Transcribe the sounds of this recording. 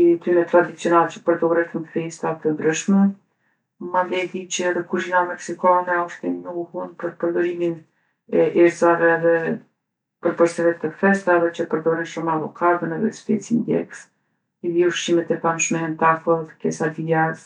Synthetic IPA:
it̪ɾimɛt̪ːɾad̪it͡sjɔnalɛt͡ʃə̥pəɾd̪ɔɾɛt̪ənkfɛst̪at̪ənd̪ɾəʃmɛ | mand̪ɛd̪it͡ʃɛðɛkuʃinamɛksikanɛɔʃt̪ɛɲuhunpəɾpəɾd̪ɔɾimin | ɛʔɛɾzavɛðɛ | pəɾpəɾsɛvɛt̪əfɛst̪aðɛt͡ʃəpəɾd̪ɔɾɛnʃɔmɛavɔkʰad̪ənɛðɛ̰spɛt͡sind̪jɛ̰ks | iðiuɾʃimɛt̪ɛfamʃmɛɛnt̪afɔðkɛsad̪ijaɾz

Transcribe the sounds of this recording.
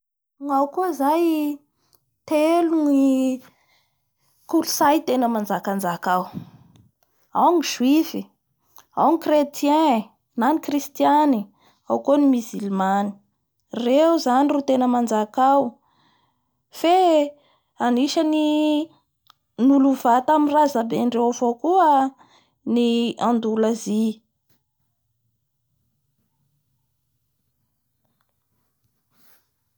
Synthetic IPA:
ŋawkuəzaj | t̪eluŋii | kulusajt̪enəmand͡zakand͡ʒakaw | a̰wŋiʒwifi | awŋikret̪jɛ̃ | nanikrist̪jani | awkonimizilmani̥ | rewzanirut̪enəmand͡ʒakaw | fe | aniʃəni | nuluvat̪aminrazabeɳɖ͡ʐewavokuə | niand̪ulazi

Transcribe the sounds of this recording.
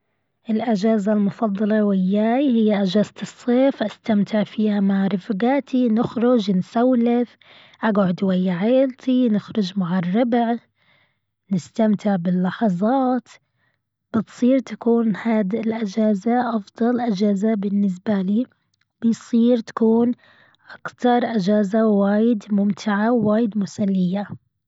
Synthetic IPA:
ʔɪlʔad͡ʒaːzalmʊfɑd̪ˤːɑlɑwɪjːaːjhɪjːaʔad͡ʒaːzt̪ɨsˤːeːfʔast̪amt̪ʰɪʕfiːhamaʕɾˤɪfɡaːt̪ʰinɪxɾʊd͡ʒnsawlɪθ | ʔaɡʕʊd̪wajːaʕeːlt̪ʰinɪxɾʊd͡ʒmaʕɪrˤːɪbʕ | nɪst̪amt̪ʰɪʕbɪlːɑħɑzˤɑːt̪ | b̥ɪt̪sˤiːɾt̪ḁkuːnhaːd̪ɪlʔɪd͡ʒaːzaʔɑfd̪ˤɑlʔɪd͡ʒaːzabɪnːɪs̬baliː | b̥ɪjsˤiːɾt̪ḁkuːn | ʔakt̪ɑɾˤʔɪd͡ʒaːzawaːjɪd̪mʊmt̪ʰɪʕawːaːjɪd̪mʊsalːɪjːa

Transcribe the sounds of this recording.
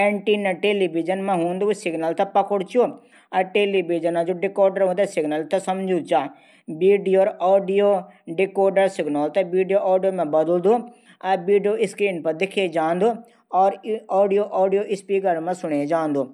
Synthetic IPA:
eɳʈiːnɐʈeːliʋid͡ʒɐnmẽɦũːnd̪usɪɡnɐlt̪ɐpɐkʊɽt͡ʃu | ɐʈeːliʋid͡ʒɐnãd͡ʒoːɖɪkɔːɾɖɐɾɦũːnd̪asɪɡnɐlt̪ɐsɐmd͡ʒʱũt͡ʃaː | biːɖijoːɾɔːɖijoː | ɖɪkoːɾɖɐɾsɪɡnaːlt̪ɐʋiːɖijoʔaːɖijoːmẽbɐd̪ld̪u | ɐʋiːɖijoːʔɪskɾiːnpɐɾd̪ɪkʰed͡ʒãːnd̪u | ɔːɾɔːɖijoːʔɔːɖijoʔɪspiːkɐɾmɐ̃sʊɳ̃ed͡ʒaːnd̪uː

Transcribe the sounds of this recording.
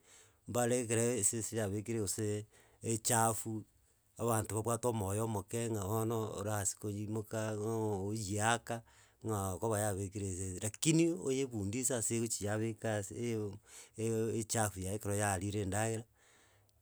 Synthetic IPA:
mbaɾekeɾesesejaβekiɾeoseː | t͡ʃafu | aβantoβaβwatomojomokeŋaβonoo̰ɾaasi̥kojimokaojiaka | ŋakoβajaβekiɾeseɾakiniojeβuːndisaseot͡ʃijaβekas | et͡ʃafujaekeɾojaɾiɾeːndaɣeɾa

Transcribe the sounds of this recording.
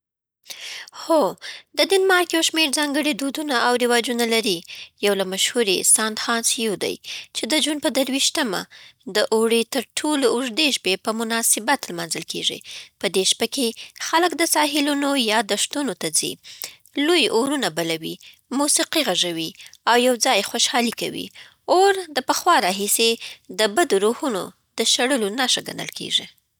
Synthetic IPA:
xod̪əd̪inmɑɾkjawʃmeɾzɑŋɡəɽid̪od̪unaʔawɾɪwɑd͡ʒunalaɾijawlamaʃhuɾesɑnd̪xɑnsijud̪a̰jt͡ʃed̪əd͡ʒunpəd̪əɾwiʃt̪əma̰d̪əʔoɽet̪əɾʈʰoloʊʐd̪eʃpepəmʊnɑsɪbat̪lmɑnzəlkʰḛʐḭpəd̪eʃpakexaləkd̪əsɑɦɪlunojɑd̪əʂt̪unot̪ad͡zḭ | lojoɾunabalawḭ | musiqiɣaʐawiawjawd͡zɑjxoʃhɑlika̰wḭ | oɾd̪əpəxwɑɾɑɦised̪əbad̪oɾohuno̰ | d̪əʃaɽəlonaʃaɡa̰nə̰lkḛʒi

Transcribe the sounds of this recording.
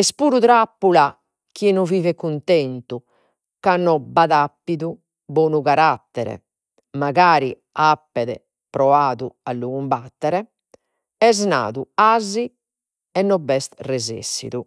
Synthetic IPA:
ɛspuːɾuðɾapːula | k̟inɔviːvɛkunt̪ɛnt̪u | kanːɔbaðapːiðu | bɔːnuɣaɾat̪ːɛɾɛ̰ | maɣaːɾi | apːɛðɛ̰ | pɾɔaːðualːuɣumbat̪ːɛɾɛ | ɛzna̰ːðuazi | ɛnːɔbːɛst̪rɛzḛsːḭðu

